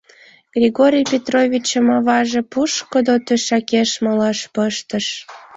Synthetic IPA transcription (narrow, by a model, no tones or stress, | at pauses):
ɡ̥rʲiɣoɾʲijpʲet̪rovʲit͡ɕəmɑβɑʒepuʃkod̪ot̪øʃækeʃməlɑʃpəʃt̪əʃ